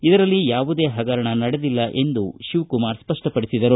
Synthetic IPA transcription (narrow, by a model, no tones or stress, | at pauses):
id̪ɐɾɐlːijaːʋud̪e̞ːɦɐɡɐɾɐɳɐnɐɽed̪ilːɐʔe̞nd̪uʃiʋkumaːɾspɐʂʈɐpɐɽisid̪ɐɾu